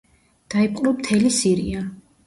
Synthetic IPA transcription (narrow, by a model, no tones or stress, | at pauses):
d̪̥aipʼqʼɾɔmt̪ʰɛlisiɾḭa